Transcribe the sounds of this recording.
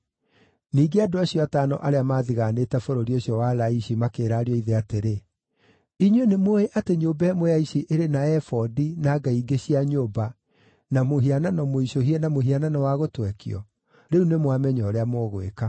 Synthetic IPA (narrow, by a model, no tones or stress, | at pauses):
niːɡeadoaɕijɔataːnɔ̰ʔaɾeamaːðiɣaːneːtɛfoɾoɾioɕiɔwalaiɕimakeːɾaːɾiɔiðeateɾe | iɲwenemoeʔateɲoːbɛːmwojaiɕiʔeɾenaɛfɔdinaːɡaiɡeɕiaɲoːba | namoɦiananɔmoiɕoɦiɛnamoɦiananɔwaɣotwɛkḭɔ̰ | ɾeunemwamɛɲɔːɾeamoːɣwḛka